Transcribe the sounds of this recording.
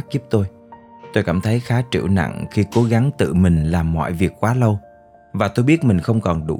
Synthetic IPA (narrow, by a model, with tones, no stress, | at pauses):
k̚zi˦˥p̚t̪o˧j | t̪o˧jkaː˧˩mt̪ʰə˨˦jxaː˨˦t͡ɕɨ̰˧˩na̰˧˨ŋxi˧ko˨˦ɣa˨˦ŋt̪ɨ̰˧˨mï˨˩ŋ̟laː˨˩mːɔ̰˧˨jvi˨˩ək̚kwaː˨˦lə˧w | vaː˨˩t̪o˧jɓi˦˥ət̚mï˨˩ŋ̟xə˧wŋ͡mkɔ˨˩nɗṵ˧˩